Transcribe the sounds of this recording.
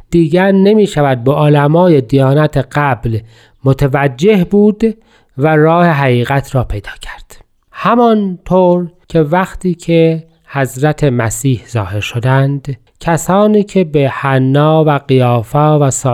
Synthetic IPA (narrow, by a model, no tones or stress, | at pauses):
d̪̥iːɟæɾnemiːʃævæd̪̚beʔolæmɒːje̞d̪ijɒːnæt̪ʰeɣæbl | mot̪ʰevæd͡ʒːe̞hbuːd̪ | væɾɒːhe̞ɦæɣiːɣæt̪ʰɾɒːpʰejd̪ɒːcʰæ̥ɾd̪̥ | hæmɒnt̪ʰoːɾcʲʰe̞væxt̪ʰiːcʰe | hæzɾæt̪ʰemæsiːhzɒ̰ːhe̞ɾʃod̪ænd̪ | cʰæsɒːniːcʰe̞behænːɒːvæɣijɒːfɒːvæsɒː